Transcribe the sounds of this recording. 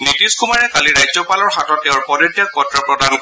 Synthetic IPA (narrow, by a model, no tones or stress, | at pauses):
nitiskumaɹɛkaliɹajzɔpalɔɹxatɔtːɛʊɹpɔdɔtːjak̚kɔtɹapɹɔdank